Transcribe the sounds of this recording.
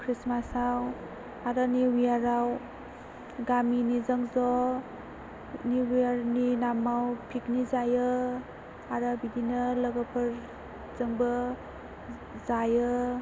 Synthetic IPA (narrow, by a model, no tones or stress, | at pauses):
kʰɾismasaw | aɾaniwijaɾaw | ɡaminizəŋzɔ | niwijaɾninamawpʰiknizajɯ | aɾabidinələɡəpʰɯɾ | zəŋbə | zajɯ